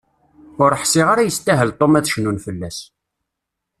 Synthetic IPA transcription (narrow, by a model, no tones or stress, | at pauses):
ʊɾəħsɪʁaɾajəst̪ːæɦəlt̪ˤomæθʃnunfəlːæs